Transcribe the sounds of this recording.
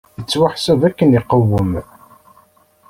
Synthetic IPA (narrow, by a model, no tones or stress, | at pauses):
θət͡sːwaħsəvækːəniqːəwːəm